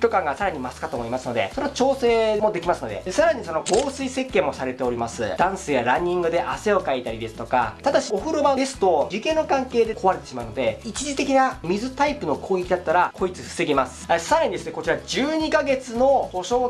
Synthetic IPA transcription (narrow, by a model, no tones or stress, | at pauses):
t̪ʲo̞kãŋɡasaɾaɲ̟imasɨ̥kat̪o̞moimasɨno̞d̪e̞̰soɾet͡ɕo̞ːse̞ːmo̞d̪e̞kʲimasɨno̞d̪e̞̰saɾaɲ̟iso̞no̞ɡo̞ːsɨise̞kːe̞ːmo̞saɾe̞t̪e̞o̞ɾʲimasɨ̰d̪ãɰ̃sejaɾãɲ̟ʲːĩŋɡɯ̟d̪e̞ʔase̞o̞kait̪aɾʲid̪e̞sɨ̥t̪o̞ka̰t̪ad̪aɕioɸɯ̟ɾobad̪e̞sɨ̥t̪o̞d͡ʑike̞nːokãŋke̞ːd̪e̞ko̞βaɾet̪e̞ɕimaɯ̟no̞d̪e̞it͡ɕiʑit̪e̞kʲinamʲizɨt̪aipɯ̟no̞kʰo̞ːɡe̞kʲid̪at̪ːaɾakʰo̞it͡sɨɸɯ̥se̞ɡʲimasɨ̥saɾaɲ̟id̪e̞sɨne̞ko̞t͡ɕiɾad͡ʑɨːɲ̟ikaɡe̞t͡sɨno̞t̪o̞ɕo̞ː